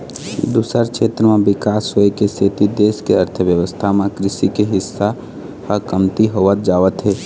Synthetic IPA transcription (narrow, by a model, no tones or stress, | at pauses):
d̪uːsəɾkt͡ʃʰʃʰeːt̪ɾəmẽbɪkaːsɦoekeset̪id̪eːskeəɾt̪ʰəʋjəwəst̪ʰamẽkɾɪsikeɦɪsːa | həkəmt̪iɦoːʋət̪̚d͡ʒaːʋət̪ɦeː